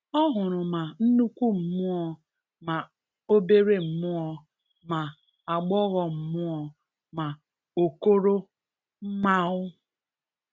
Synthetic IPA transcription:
ɔ˦ɦʊ˨ɾʊ˨ma˨n̩˦nu˦kʷu˦m̩˨mʊ˦ɔ˨ | ma˨ | o˦be˦ɾe˦m̩˨mʊ˦ɔ˨ | ma˨ | a˨ɡ͡bɔ˦ɣɔ˨m̩˨mʊ˦ɔ˨ | ma˨ | o˨ko˦ɾo˦ | m̩˦ma˦ʊ˦

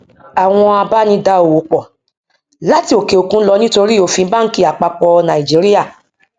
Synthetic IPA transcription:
a˨w̃ɔ̃˧a˧ba˦nĩ˧˦da˧˦o˨wo˨˦k͡pɔ˨ | la˦ti˧˦o˨ke˨o˨kũ˦lɔ˧˦nĩ˦to˧ɾi˦o˨˦˨fĩ˧˦ba˦ŋ̩˦ki˦˨a˨k͡pa˧k͡pɔ˧nã˨i˨d͡ʒi˨˦ɾi˦ja˦˨

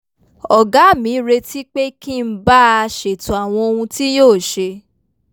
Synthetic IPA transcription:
ɔ˨ɡa˨˦˨mĩ˨˦ɾe˧ti˦k͡pe˦ki˦˨m̩˦ba˦˧ʃe˨tũ˨a˨w̃ɔ̃˧o˧hũ˧ti˦joː˦˨ʃe˧

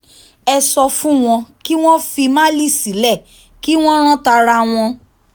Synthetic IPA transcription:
ɛ˧sɔ˧fũ˦w̃ɔ̃˧ki˦w̃ɔ̃˦fi˧mã˦li˦˨si˨˦lɛ˦˨ | ki˦w̃ɔ̃˦ɾ̃ã˦ta˧ɾa˧w̃ɔ̃˧

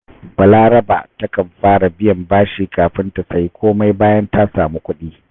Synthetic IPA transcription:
bɐ˨laː˦ɾɐ˦ba̰ː˨tɐ˦kɐ˨mɸaː˦ɽa˨bɪ˦jɐ˨mbaː˦ʃiː˨kaː˨ɸɪ˦ntɐ˨sɐ˨ji˦kʷoː˦ma˦jbaː˦jɐ˦nta˦saː˨muː˦kʷʊ˦ɗiː˦

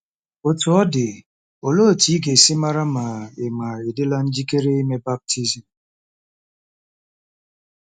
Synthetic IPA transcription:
o˨tu˨ɔ˦dɪ˨ | o˨lo˦˨ti˨˦ɡe˨si˦ma˦ɾa˦ma˨e˨ma˨e˨dɪ˦la˦n̩˦d͡ʒi˦ke˦ɾe˦i˦me˦ba˦p̚tʰi˦zi˨m̩˨

